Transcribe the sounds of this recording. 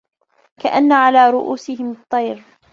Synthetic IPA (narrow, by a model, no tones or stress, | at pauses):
kaʔanːaʕalaːɾʊʔuːsɪhɪmt̪ˤːɑjɾ